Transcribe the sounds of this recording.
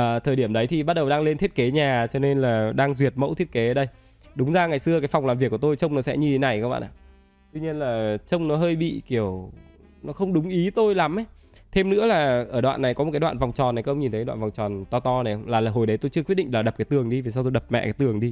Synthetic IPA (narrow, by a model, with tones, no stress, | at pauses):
t̪ʰəː˨˩ɗi˧˩əmɗə˨˦jt̪ʰi˨˩ɓa˦˥t̚ɗə˨˩wɗaː˧ŋle˧nt̪ʰi˦˥t̚ke˨˦ɲaː˨˩t͡ɕɔ˧ne˧nlaː˨˩ɗaː˧ŋzwi˨˩ət̚mə̰˧˥t̪ʰi˦˥ət̚ke˨˦˧ɗə˧j | ɗʊ˨˦ŋ͡mzaː˧ŋa˨˩jsɨ˧əkaː˨˦jfa˨˩wŋ͡mlaː˨˩mvi˩kːt̪o˧jt͡ɕə˧wŋ͡mnɔ˨˦sɛ̰˧˥ɲɨ˧t̪ʰe˨˦na˨˩jkaː˦˥ɓa̰ː˧˨ʔa̰ː˧˨˩ | t̪wi˧ɲi˧ənlaː˨˩t͡ɕə˧wŋ͡mnɔ˨˦ɦəː˧jɓḭ˧˨ki˧˩əw | nɔ˨˦xə˧wŋ͡mɗʊ˨˦ŋ͡mʔi˨˦t̪o˧jla˨˦mʔj | t̪ʰe˧mnɨ̰˧˥əlaː˨˩ʔəː˧˩ɗwa̰ː˧˨nːa˨˩jkɔ˨˦o˨˩tkaː˨˦wa̰ː˧˨nva˨˩wŋ͡mt͡ɕɔ˨˩na˨˩kːʔə˧ŋ͡mɲi˨˩nt̪ʰə˨˦ɗwa̰ː˧˨vwŋ͡mt͡ɕɔ˨˩nt̪ɔ˧t̪ɔ˧na˨˩jə˧wŋ͡mlaː˨˩laː˨˩ɦo˨˩jɗə˨˦jt̪o˧jt͡ɕɨ˧əkwi˦˥t̚ɗḭ˧˨ŋ̟laː˨˩ɗə˨˩kaː˨˦t̪ɨ˨˩əŋɗi˧ve˨˩saː˧t̪o˧jɗə˨˩p̚mɛ̰˧˨kaː˨˦jt̪ɨ˨˩əŋɗi˧